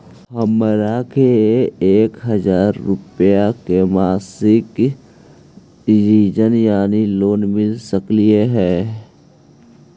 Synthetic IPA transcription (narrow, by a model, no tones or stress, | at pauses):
ɦəmɾakeeːkɦəzaːɾːʊpjakemaːsɪk | ɖɪʋiːd͡ʒənjaːniloːnmɪlsəklieɦɛː